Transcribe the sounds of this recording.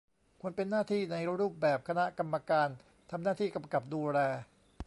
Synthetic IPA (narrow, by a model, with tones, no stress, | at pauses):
kʰu˧ənpe˧nːaː˥˩t̪ʰiː˥˩na˧jɾuː˥˩p̚bɛː˨˩p̚kʰa˧na˦˥ʔka˧mːa˧kaː˧n | t̪ʰa˧mnaː˥˩t̪ʰiː˥˩ka˧mka˨˩p̚duː˧lɛː˧